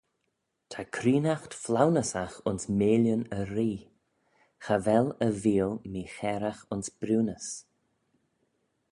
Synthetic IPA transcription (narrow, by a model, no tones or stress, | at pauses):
tʰakʰɾiːnaxtflawnəsaxʊnsmeːljənəɾiː | xavɛləviːəlˠmiːxɛːɾaxʊnsb̥ɾuːnəs